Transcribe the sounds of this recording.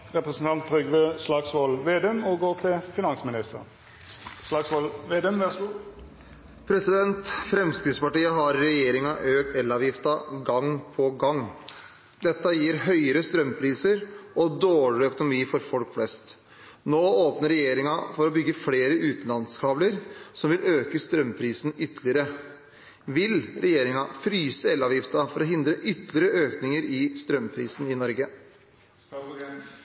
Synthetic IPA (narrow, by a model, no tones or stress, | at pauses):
ʁɛpɾəsn̩t̪ʰɑnt̪̚ʁʏɡʋəslɑːɡsʋɔlʋeːd̪eːmɔɡoːʁt̪ʰɪfɪnɑnsmɪnɪst̪ə | slɑːɡsʋɔlʋeːd̪ɛːmʋɛsu | pʰɾɛsɪd̪ɛnt̪fɾɛmsk̪ɾɪːd̪spɑʈiːəɦɑɾːɛjeːɾɪŋɑʔøːk̪̚ɛlːɑːʋjɪft̪ɑɡɑŋpʰɔɡɑŋː | d̪ɛt̪ːəjiːɾɦœʏəɾəst̪ɾœmpʰɾiːsəɾɔd̪oːɭɪɾœkʊnʊmiːfɔɾfɔlkflɛst̪ | noːoːpnəɾɛjeːɾɪŋɑfɔɾɔbʏɡːəfleːɾəʉːt̪n̩lɑnskʰɑːbləɾsɔmʋɪløːkəst̪ɾœmːpʰɾiːsn̩ʏt̪lɪəɾə | ʋɪlɾɛjeːɾɪŋɑfɾyːsəɛlːɑːʋjɪft̪ɑfɔɾɔɦɪnd̪ɾəʔʏt̪ːlɪəɾəʔøːknɪŋəɾɪst̪ɾœmpʰɾḭːsn̩ɪnɔɾɡə